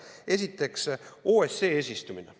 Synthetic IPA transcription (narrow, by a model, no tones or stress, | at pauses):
e̞s̬it̪ːˑe̞kso̞ːese̞ːeːs̬ʲist̪umine